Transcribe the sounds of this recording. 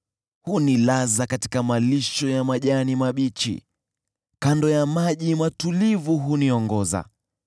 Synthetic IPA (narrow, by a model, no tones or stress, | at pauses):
hunilazakati̥kamaliʃɔjamaʄanimaɓit͡ʃḭ | kandɔjamaʄimatulivuɦuniɔŋɡɔza̰